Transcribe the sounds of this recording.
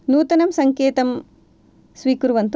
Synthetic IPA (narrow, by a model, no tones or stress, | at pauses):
nuːt̪ɐnɐmsɐŋkeːt̪ɐm | sʋiːkuɾuʋɐnt̪